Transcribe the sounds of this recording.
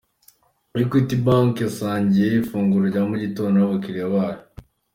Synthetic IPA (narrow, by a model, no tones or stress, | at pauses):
aɾikitibaŋkasaːɲɟijeifuːŋɡuɾoɟamuɟitoːnaβakiɾeβaɾo